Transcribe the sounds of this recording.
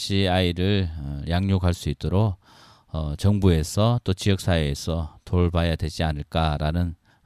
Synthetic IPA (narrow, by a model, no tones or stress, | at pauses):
ɕ͈iaiɾɯɭjaŋɲokʰaɭs͈uit̚t͈oɾo | ʌt͡ɕʌŋbue̞sʰʌt͈ot͡ɕijʌk̚s͈aeesʰʌtoɭbajadwe̞d͡ʑianɯɭk͈aɾanɯn